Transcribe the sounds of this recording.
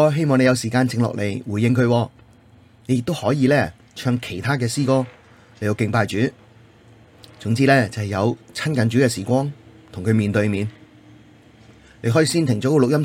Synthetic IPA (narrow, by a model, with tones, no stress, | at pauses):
ɦe˥jmɔː˨ŋne˨˧jɐ˨˧wsiː˨˩kaː˧nt͡sɪ˧ŋlɔ̰˨le˨˩jwuː˨˩jːɪ˧ŋkʰɵ˨˧ɥwɔː˧ | ne˨˧jɪ˨k̚t̪o˥whɔː˨˥jiː˨˧lɛː˥ | t͡ʃʰœː˧ŋkʰe˨˩jt̪ʰaː˥k̬ɛː˧siː˥kɔː˥ | le˨˩j̪o˨˧wkɪ˧ŋpaː˧jt͡ʃyː˨˥ | t͡sʊ˨˧˥ŋt͡siː˥lɛː˥˩t͡sɐ˨˧hɐ˨˩jɐ˨˧wt͡sʰɐ˥nkɐ˨nt͡ʃyː˨˥kɛː˧siː˨˩kʷɔː˥ŋ | t̪ʰʊ˨˩ŋkʰmiː˨nt̪ɵ˧ɥmiː˨˧n | ne˧jɦɔː˨˥jiː˧siː˥nt̪ʰɪ˨˩ŋt͡sɔː˨˥kɔ˧lʊ˨k̚jɐ˥m